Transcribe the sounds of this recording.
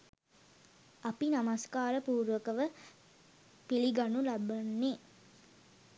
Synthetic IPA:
ɐpinamaskaːɾəpuːɾʋəkəʋə | piliɡanulabɐnːi

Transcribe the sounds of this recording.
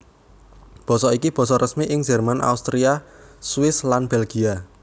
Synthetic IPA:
b̥ɔ̤sɔikib̥ɔ̤sɔɾəsmiʔɪŋd͡ʒɛ̤rmanʔa̰ust̪ɾiaswɪslanb̥ɛlɡ̥i̤a

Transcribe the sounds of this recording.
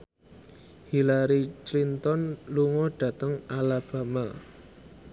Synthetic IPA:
hilaɾit͡ʃlint̪ɔnluŋɔɖ̥ä̤t̪əŋalab̥a̤ma

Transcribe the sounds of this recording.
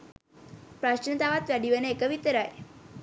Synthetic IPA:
pɾaɕənt̪aʋat̪ʋjaɖiʋəneekəʋit̪əɾaj

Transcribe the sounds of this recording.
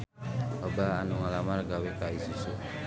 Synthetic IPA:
ɔbaanuŋalamaɾɡawekaisuso

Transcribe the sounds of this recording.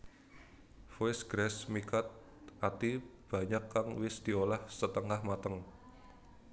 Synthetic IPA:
foɪsɡ̥ɾɛsmikat̪̚ | ʔat̪ib̥ä̤ɲakːaŋwɪsd̪̥i̤olahsət̪əŋahmat̪əŋ

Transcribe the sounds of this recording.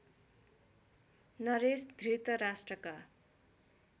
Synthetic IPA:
nʌɾesd̪ʱrit̪ʌɾasʈrʌka

